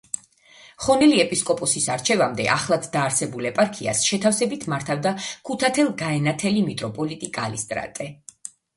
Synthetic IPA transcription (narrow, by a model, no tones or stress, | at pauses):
χɔnɛliɛpʼiskʼɔpʼɔsisaɾt͡ʃʰɛvamd̪ɛ̰ʔaχlˠad̪d̪aːɾsɛbulɛpʼaɾkʰia̰sʃɛt̪ʰafsɛbit̪ʰmaɾt̪ʰavd̪akʰut̪ʰat̪ʰɛlˠɡaɛnat̪ʰɛlimit̪ʼɾɔpʼɔlit̪ʼikʼalist̪ʼɾa̰t̪ʼɛ